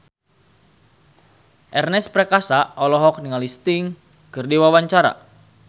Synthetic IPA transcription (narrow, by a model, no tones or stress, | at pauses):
ʔɛrnɛspɾɛkasaɔlɔɦɔk̚niŋalist̪iŋ | kɨrdiwawaɲt͡ʃaɾa̰